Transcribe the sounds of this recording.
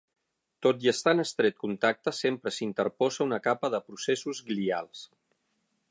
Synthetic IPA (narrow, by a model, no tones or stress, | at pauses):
t̪ot̪jəst̪anəst̪ɾet̪̚kunt̪ak̚t̪əsempɾəsint̪əɾpɔzəunəkapəðəpɾusesuzɡlia̰lˠs